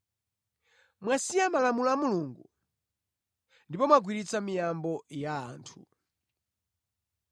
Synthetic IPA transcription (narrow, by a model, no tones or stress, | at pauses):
mwasiamalamulamuluŋɡu | ndipɔmwaɡwiɾit͡samijambɔja̰ːntʰu̥